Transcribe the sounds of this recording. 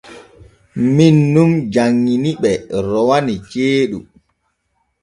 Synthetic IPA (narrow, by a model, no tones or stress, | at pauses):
minːumd͡ʒaŋːiniɓɛɾɔwanit͡ʃeːɗṵ